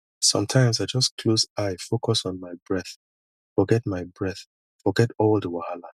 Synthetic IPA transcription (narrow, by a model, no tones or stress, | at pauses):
sʌ̰̃mtʰãɪ̃msaɪd͡ʒʌskʰlosaɪfokɔsɔ̃n̩maɪbɹɛθ | fɔɡɛt̚maɪbɹɛθ | fɔɡɛtɔldəwahala